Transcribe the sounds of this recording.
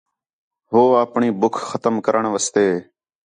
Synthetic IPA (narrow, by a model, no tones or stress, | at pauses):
ɦoːaːpɳiːbʊkʰxət̪əmkəɾəɳʋəst̪eː